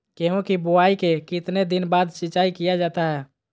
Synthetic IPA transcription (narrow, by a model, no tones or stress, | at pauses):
keɦũkibʊaːikekɪt̪ned̪ɪnbaːd̪ʃɪt͡ʃaːikijad͡ʒaːt̪aɦɛː